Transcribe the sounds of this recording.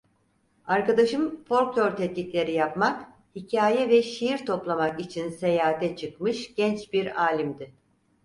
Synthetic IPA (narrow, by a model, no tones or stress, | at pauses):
aɾkad̪aʃɯmfo̞ɾklʲˠoɾt̪ʰɛt̪̚lʲicʲlʲe̞ɾijapmak | hicʰaːjɛvɛʃijiɾt̪ʰo̞plˠamakit͡ʃʰinse̞jaːat̪ʰɛt͡ʃʰɯkmɯʃɟ̥ɛnt͡ʃbiɾaːlʲimd̪ɪ